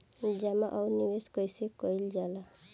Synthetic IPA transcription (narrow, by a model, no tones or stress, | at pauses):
d͡ʒamaʔawniweskɔjsekɔjld͡ʒala